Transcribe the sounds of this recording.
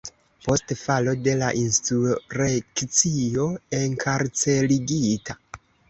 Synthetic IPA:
po̞stfalo̞de̞laʔinstɾuɾekt͡sio̞e̞ŋkʰaɾt͡se̞liɡitʰa

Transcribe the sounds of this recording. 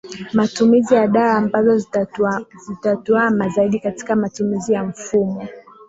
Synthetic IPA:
matumizijaɗaaːmbazɔ | zitatuamazaiɗikati̥kamatumizijaɱ̩fumɔ

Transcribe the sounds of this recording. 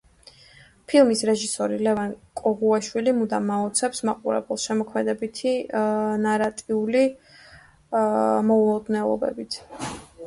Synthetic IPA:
pʰilˠmisɾɛʒisɔɾilɛvankʼɔʁuɛʃwilimud̪amaɔt̪sʰɛpsmaqʼuɾɛ̰bɛlˠʃɛmɔkʰmɛd̪ɛbit̪ʰinaɾat̪ʼiuli | mɔulˠɔd̪nɛlˠɔ̰bɛ̰bit̪ʰ

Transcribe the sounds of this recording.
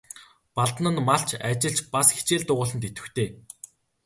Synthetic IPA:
paɮt̪̆nə̆nmaɬt͡ɕʰat͡ɕɪ̆ɮt͡ɕpasxe̥t͡ɕeːɮt̪ʊːʁʊːɮə̆nt̪et̪ɘ̆t̪ʰeː

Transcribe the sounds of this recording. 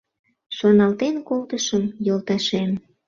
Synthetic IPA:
ʃonɑlt̪enkolt̪əʃəmjolt̪ɑʃem

